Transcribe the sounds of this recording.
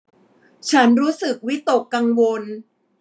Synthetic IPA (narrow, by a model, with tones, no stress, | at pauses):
t͡ɕʰa˦˥nɾuː˦˥sɯ˨˩k̚wi˦˥t̪o˨˩kːa˧ŋwo˧n